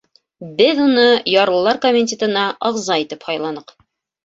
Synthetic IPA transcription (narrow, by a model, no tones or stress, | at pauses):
bɘðunɤjɑɾɤ̆lˠːɑɾkomʲɪnʲtʲet̪ɤ̆nɑʔɑʁzɑit̪ɘphɑjlˠɑnɤq